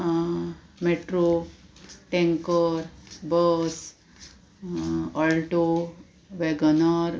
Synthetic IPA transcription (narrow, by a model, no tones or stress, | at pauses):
meʈɾo | ʈẽŋkəɾbəs | əlʈo | ʋeɡənaɾ